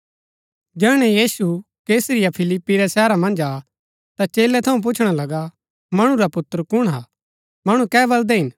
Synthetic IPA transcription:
d͡ʒɛːɽ̃ɛjiːsu | keːsɾɪjapʰɪlɪpːiɾɛsɛːɾamɐ̃nd͡ʒaː | t̪at͡ʃeːlɛt̪ʰɐũp̬ʊt͡ʃʰɽ̃alɐɡa | mɐɽ̃ũɾapʊt̪əɾkʊɽ̃ɦaː | mɐɽ̃ũkɛːbɐld̪ɛɦɪn

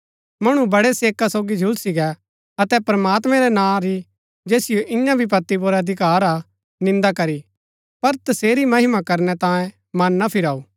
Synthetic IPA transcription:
mɐɽ̃ubɐɽɛseːkasoːɡid͡ʒʱʊlsɪɡɛ | ɐt̪ɛpɾmaːt̪mɛ̃ɾɛnãːɾi | d͡ʒeːsɪjoʔɪjãbʱip̬ɐt̪ːip̬oːɾɛɐd̪ʱɪkaːɾa | nɪ̃nd̪akɐɾi | pɐɾt̪ɐseːɾimɐɦɪmakɐɾnɛt̪ãːjẽ | mɐnːɐpʰɪɾaːuː

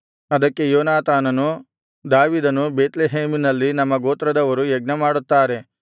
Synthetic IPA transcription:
ɐd̪ɐkːe̞joːnaːt̪aːnɐnu | d̪aːʋiːd̪ɐnubeːt̪leɦeːminɐlːinɐmːɐɡoːt̪ɾɐd̪ɐʋɐɾujɛɡ̚nɐmaːɽut̪ːaːɾe̞

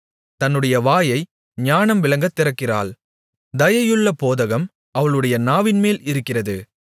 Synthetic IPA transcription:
t̪ɐnːɯɽɐjɐʋaːjɐɪ | ɲaːnɐmʋɪlɐŋɡɐt̪ːɪrɐkːɪra̰ːɭ | d̪ɐjɐjɯɭːɐpoːðɐɣɐm | ɐʋɐɭɯɽɐjɐnaːʋɪnmeːlɪɾɯkːɪrɐðɯ

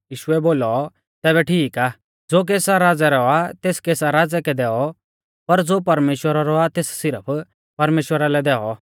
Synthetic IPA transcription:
jiːʃʊɛboːlɔ | t̪ɛːbɛʈʰiːkaː | d͡zoːk̬eːsaɾaːd͡zɛɾɔat̪eːskeːsaɾaːd͡zɛkɛd̪ɛːɔ | pɐɾd͡zoːpɐɾmeːʃwəɾaɾɔat̪eːssɪɾəpʰ | pɐɾmeːʃwəɾalɛd̪ɛːɔ

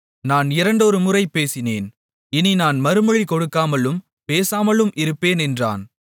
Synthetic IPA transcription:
naːnɪɾɐɳɖɔɾɯmʊrɐɪpːeːsɪneːn | ɪninaːnmɐɾɯmɯɻikɔɽɯkːaːmɐlɯm | peːsaːmɐɭɯmʔɪɾɯpːeːnɛndra̰ːn

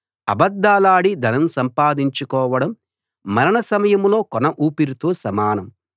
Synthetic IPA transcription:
ɐ̰bɐd̪ːaːlaːɽid̪ʱɐnɐmsɐmpaːd̪iɲt͡ʃukɔːʋɐɽɐmː | ɐɾɐɳɐsɐmɐjɐmlo̞ːkɔnɐʔuːpiɾut̪oːsɐmaːnɐm

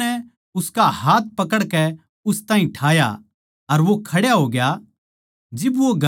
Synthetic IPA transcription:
ɛ | ʊskahaːt̪̚ʰpɐkəɽkɛ | ʊst̪aːɦĩʈʰaːja̰ | ɐɾʋokʰɐɽjaɦoːɡɪja | d͡ʒɪbʋoɡʱɐ

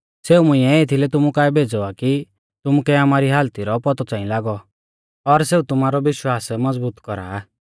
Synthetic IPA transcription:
seːumʊ̃ĩɛet̪ʰilɛt̪ʊmukaːɛbʱeːd͡zɔaki | t̪ʊmukɛamaːɾiɦaːlt̪iɾɔpɔt̪ɔt͡sãːĩlaːɡɔ | ɔɾseːut̪ʊmaːɾɔʋɪʃwaːsmɐd͡zbuːt̪kɔɾa̰ː

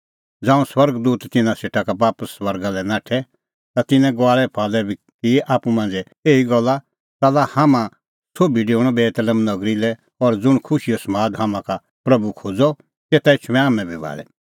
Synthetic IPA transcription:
d͡zãːũswɐɾɡd̪uːt̪ːɪnãseːʈʰakabaːpəsːwɐɾɡalɛnaːʈʰɛ | t̪at̪ɪnɛ̃ɡaːɭɛpʰaːlɛbʱi | kiʔaːpumãːnd͡zɛ | eːiɡɔlːa | t̪aːlahamã | sʰoːbiɖeːʊɽ̃ɔbɛːt̪ələmnɐɡɾilɛ | ɔɾd͡zʊɽ̃kʰʊʃijɔsɐmaːd̪ɦamãka | pɾɐbukʰoːd͡zɔ | t̪eːt̪aɪt͡ʃʰmɛ̃aːmɛ̃bʱibʱa̰ːɭɛ

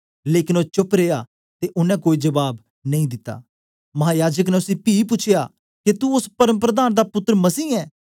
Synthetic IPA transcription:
leːkɪ̃noːt͡ʃʊpɾeːja | t̪eʔʊnɛ̃koːid͡ʒɐbaːb | nɐĩd̪ɪt̪ːa̰ː | mɐɦãːjaːd͡ʒək̬nɛʊsĩpiːp̬ʊt͡ʃʰejaː | ket̪uʊspɐɾəməpɾəd̪aːnd̪apʊt̪ːəɾmɐsiːɛː

